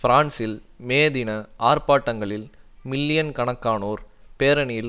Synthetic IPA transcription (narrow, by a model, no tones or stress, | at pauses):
fɪɾaːnsɪl | meːðɪnɐʔaːɾpaːʈːɐŋɡɐɭɪlmɪlːɪjɐnkɐɳɐkːaːnoːɾpeːɾɐnɪjɪl